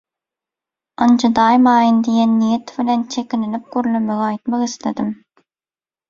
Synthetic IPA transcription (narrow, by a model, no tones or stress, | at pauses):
ɑnd͡ʒud̪ɑːjmɑːjɯnd̪ijenːijet̪vilent͡ʃʰekʲinilip̚ɡ̥ʲøɾylømeɡɑjt̪mɑqisled̪im